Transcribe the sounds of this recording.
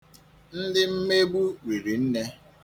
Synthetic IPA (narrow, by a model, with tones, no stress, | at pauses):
n̩˦dɪ˦m̩˦me˦ɡ͡bu˦wi˨ɾi˨n̩˦ne˦